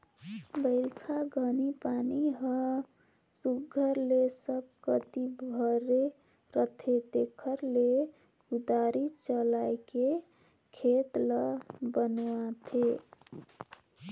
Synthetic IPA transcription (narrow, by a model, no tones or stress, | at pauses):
bəɪlkʰaɡʱənipaniɦə | suɡʱəɾlesəb̚kət̪ibʱəɾe | ɾət̪ʰet̪ekʰəɾle | ud̪aɾit͡ʃəlajke | kʰet̪ləbənat̪ʰe